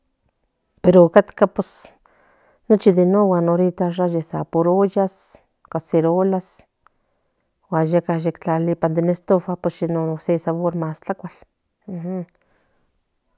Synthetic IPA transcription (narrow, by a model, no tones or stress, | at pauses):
peɾokat̪kapes | not͡ʃid̪enowanoɾit̪arajesapoɾojas | kaseɾolas | wajakajekt͡ɬalipand̪enest̪ofaposjenoosesaβoɾmast͡ɬakʷal̩ | h